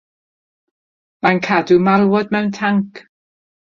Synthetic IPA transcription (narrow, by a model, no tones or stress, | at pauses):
mankʰadumalˠwɔdmɛwntʰaŋkʰ